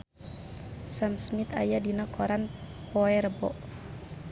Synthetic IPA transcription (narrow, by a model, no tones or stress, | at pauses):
samsmit̪a̰jadinɔkʰɔɾanpɔɛrbɔ̰ʔ